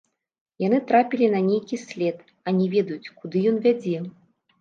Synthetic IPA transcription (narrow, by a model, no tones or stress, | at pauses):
jan̪ɨt̪ɾapʲilʲinɐnʲejkʲisʲlʲɛt̪ | ɐnʲɛvʲɛd̪ɐjut͡sʲkud̪ɨjɔnvʲad͡zʲɛ